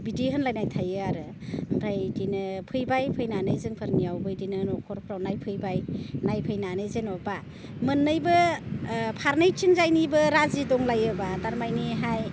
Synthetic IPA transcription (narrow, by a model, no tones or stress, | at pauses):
bidiɦɯnlajnajtʰajɯaɾɯ | mpʰajdinɯpʰɯjbajpʰɯjnanɯjzɯŋpʰɯɾniawbɯjdinɯnɔkʰɔɾpʰɾawnajpʰɯjbajnajpʰɯjnanɯjzenɔba | mɯnːɯjbɯ | pʰaɾnɯjt͡ʃʰiŋzajnibɯɾazidɔŋlajɯbadaɾmajniɦaj